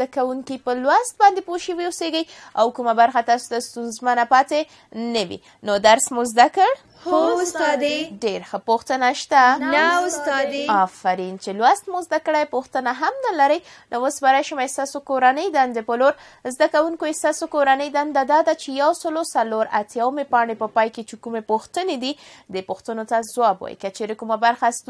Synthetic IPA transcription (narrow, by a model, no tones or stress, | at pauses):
akawuŋkipəlwast̪̚bɑnd̪epoʃiwiuseɡəja̰wkumabaɾxat̪ɑso̥t̪ast̪unzmanapɑt̪e | nəwḭ | nod̪aɾsmozd̪akəɽ | sd̪eɖeɾxəpoxt̪ənaʃt̪anaʊst̪ɑd̪eɑfaɾint͡ʃelwast̪mozd̪akəɽajpoxt̪ənaɦamnalaɾəj | nʔowosbaɾajʃəmajst̪ɑsokoɾanəjd̪and̪epəloɾ | zd̪akawuŋkojest̪ɑsokoɾanəjd̪and̪ad̪ɑd̪at͡ʃejawsəlosaloɾa̰t̪jawmepɑɳepəpɑjket͡ʃekumepoxt̪əned̪id̪əpoxt̪ənot̪azwɑbwa̰jkat͡ʃeɾekumabaɾxast̪